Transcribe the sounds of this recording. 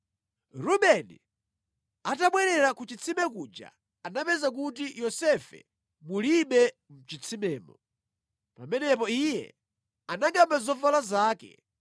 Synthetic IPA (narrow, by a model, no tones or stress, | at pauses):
ɾuɓɛnḭ | ataɓwɛɾɛɾakut͡ʃit͡sʰimɛk̬ud͡ʒa̰ | anapɛzak̬utijɔsɛfɛ̰ | muliɓɛ | m̩t͡ʃit͡sʰimɛːmɔ | pamɛnɛp̬ɔijɛ̰ | anaŋɡamazɔvalazaːkɛ̰